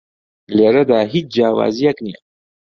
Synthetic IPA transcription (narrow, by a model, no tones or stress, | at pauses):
leɾɐd̪aːɦit͡sd͡ʒaːwa̰ːzijakni